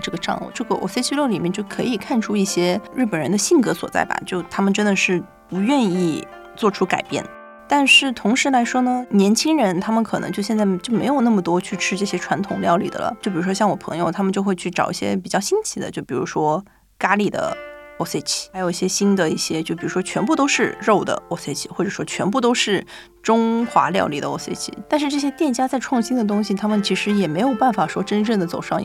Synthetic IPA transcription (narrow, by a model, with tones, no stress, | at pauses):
ʈ͡ʂɤ˥˩ɡə˩ʈ͡ʂɑ̰˥˧ŋɔ̰˥˩ʈ͡ʂɤ˥˩ɡə˩ʔo̰˧˩se˥ɪt͡ɕʰi˥lo˥˩li˨˩mjɛ˥˧nt͡ɕjo˥˩ʊkʰɤ˧˥i˨˩kʰa˥˩nʈ͡ʂʰu˥i˥˩ɕjɛ˥ɻ̩˥˩pə˨˩nɻə˧˥nd̪ə˧ɕi˥˩ŋkɤ˧˥swɔ̰˨˩t͡sa̰˥˩ɪba̰˩t͡ɕjo˥˩ʊt̪ʰa˥mə˨nʈ͡ʂə˥nd̪ə˨ʂɻ̩˥˩ | pu˧˥ɥɛ˥˧ni˥˩ | t͡swɔ˥˩ʈ͡ʂʰu˥ka̰˨˩ɪpjɛ̰˥˩n | t̪a˥˧nʂɻ̩˥˩t̪ʰʊ˧˥ŋʂɻ̩˧˥la˧˥ɪʂwɔ˥nə˨njɛ˧˥nt͡ɕʰi˥ŋɻə˧˥nt̪ʰa˥mə˨nkʰɤ˨˩nɤ̰˧˥ŋt͡ɕo˥˧ɕjɛ˥˧nt͡sa˥˩ɪt͡ɕjo˥˩ʊme˧˥jo˨˩ʊna˥˩mə˩t̪wɔ˥t͡ɕʰy˥˧ʈ͡ʂʰɻ̩˥ʈ͡ʂɤ˥˩ɕjɛ˥ʈ͡ʂʰwa˧˥nt̪ʰʊ˨˩ŋljɑ˥˧ʊlḭ˨˩d̪ə̰˩lə̰˩t͡ɕjʊp̬i˨˩ɻu˥ʂwɔ˥ɕjɑ˥˩ŋwɔ˨˩pʰɤ̰˧˥ŋjo˧ʊt̪ʰa˥mə˨nt͡ɕjo˥˧ʊxwe˥˧t͡ɕʰy˥˩ʈ͡ʂɑ˨˩ʊi˥˩ɕjɛ̰˥pi˨˩t͡ɕjɑ˥˩ʊɕi˥nt͡ɕʰi˧˥d̪ə̰˦t͡ɕjo˥˩ʊpi˨˩ɻu˧˥ʂwɔ˥ | ka˥li˥˩d̪ə̰˩ | o˥se˥˩t͡ɕʰi̥˧˥jo˨˩ʊi˥˩jɛ˥ɕi˥nd̪ə˨i˥˩ɕjɛ˥t͡ɕjo˥˩ʊp̬i˨˩ɻu˧˥ʂwɔ˥t͡ɕʰɥɛ˧˥npu˥˩t̪o˥ʊʂɻ̩˥˧ɻo˥˩ʊd̪ə̰˩o˥se˥˩ɪt͡ɕʰi̥˧˩xwɔ˥˩ʈ͡ʂɤ˨˩ʂwɔ˥t͡ɕʰɥɛ˧˥npu˥˩t̪o˥ʊʂɻ̩˥˩ | ʈ͡ʂʊ˥ŋxwa̰˧˥ljɑ̰˥˧ʊli˥˩ə˩o˥se˥˧ɪt͡ɕʰḭ˧˩t̪a˥˧nʂɻ̩˥˧ʈ͡ʂɤ˥˩ɕ̬jɛ˥t̪jɛ˥˩nt͡ɕja˥t͡sa˥˧ɪʈ͡ʂʰwɑ˥˩˧ŋɕi˥nd̪ə˨t̪̬ʊ˥ŋɕi˨˩t̪ʰa˥mə˨nt͡ɕʰi˧˥ʂɻ̩˧˥jɛ˨˩me˧˥ɪjo˨˩ʊpa˥˩nfa˨˩ʂwɔ˥ʈ͡ʂə˥nʈ͡ʂɤ˥˩ŋd̪ə˩t͡so˨˩ʊʂɑ˥˧ŋ̰˧˥